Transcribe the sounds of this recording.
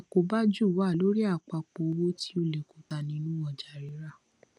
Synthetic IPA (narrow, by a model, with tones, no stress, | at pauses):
a˨ko˨˦ba˦d͡ʒu˦˨wa˦˨lo˨˦ɾi˦a˦˨k͡pa˧˨k͡po˨˧wo˦ti˦o˧le˨ko˨ta˨nĩ˧˦nũ˦ɔ˨d͡ʒa˨ɾi˨˦ɾa˦˨